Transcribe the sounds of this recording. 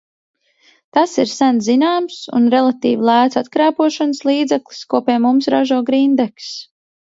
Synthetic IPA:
t̪asiɾsænzinaːmsṵnɾɛlˠat̪iːvilˠæːt̪sat̪kɾæːpuɔʃɔnəslˠiːd̪zɛkli̥skuɔpiɛmumsɾaʒuɔːɡɾind̪ɛks

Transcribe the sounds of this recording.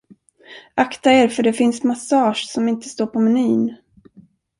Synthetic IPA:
ʔakt̪aeːɾfœɖɛfɪnsmasɑːʂsɔmɪnt̪ə̥st̪oːɾpʰɔmɛnyːn

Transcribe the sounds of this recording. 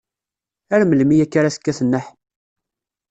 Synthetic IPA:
æɾməlmijækːaɾasə̥kːæθənːəħ

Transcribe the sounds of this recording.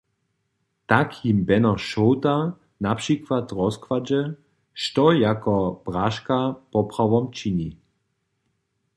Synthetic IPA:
t̪akjimbɛnɔʃɔwt̪a | napʂikʋat̪rɔskʋad͡ʒɛ | ʃtɔjakɔb̥ʁaʃkapɔpʁaʋɔmt͡ʃiɲi

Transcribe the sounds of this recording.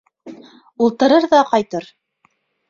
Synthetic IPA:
ulˠt̪ɤ̆ɾɤɾðɑqɑjt̪ɤɾ

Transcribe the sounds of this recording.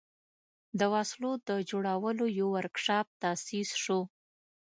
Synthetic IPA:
d̪əwaslod̪əd͡ʒoɽawəlojawaɾkʂɑp̚t̪ɑsisʂo

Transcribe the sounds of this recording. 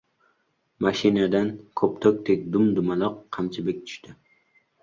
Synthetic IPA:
maʃɪnad̪ankʰɵpt̪ʰok̚ʲt̪ʰekʲd̪ʊmd̪ʊmalˠɒqʰːɑmt͡ʃʰɪbɪk̚ʲt̪ʰʊ̥ʃt̪ʰɪ

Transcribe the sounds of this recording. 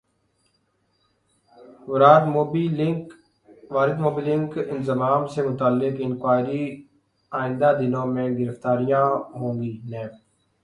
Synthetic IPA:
ʋʊɾaːɾmoːbiːlɪ̃ŋk | ʋaːɾɪd̪moːbiːlɪ̃ŋkɪnzəmaːmsemʊt̪aːlːɪkɪ̃nkwaːɾi | aːɪ̃nd̪aːd̪ɪnõːmẽːɡɪɾəft̪aːɾijãːɦõːŋɡiːnɛ̃ːp

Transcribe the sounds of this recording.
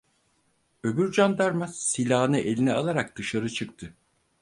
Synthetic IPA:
ø̞byɾd͡ʒand̪aɾmasilʲaːnɯʔe̞lʲinɛalˠaɾak̚d̪̥ɯʃaɾɯt͡ʃʰɯk̚t̪ʰɯ

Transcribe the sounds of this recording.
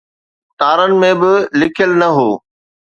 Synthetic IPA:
t̪aːɾənɪ̆mẽbɪlɪkʰjəlnɐɦoː

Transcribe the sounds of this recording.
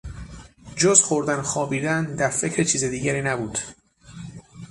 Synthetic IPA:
d͡ʒozxoɾd̪ænxɒːbiːd̪ænd̪æɾfe̞cʰɾet͡ʃʰiːzed̪iːɟæɾiːnæbuːd̪̥

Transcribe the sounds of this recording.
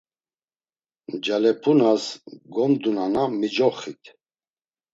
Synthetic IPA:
d͡ʒalɛpʰunasɡɔnd̪unanamid͡ʒɔχit̪ʰ

